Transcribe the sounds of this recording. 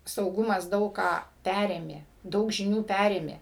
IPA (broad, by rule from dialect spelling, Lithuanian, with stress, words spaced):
sɐʊˈɡʊmɐs ˈdɐʊk kɑː ˈpʲærʲeːmʲeː ˈdɐʊk ʒʲɪˈnʲuː ˈpʲærʲeːmʲeː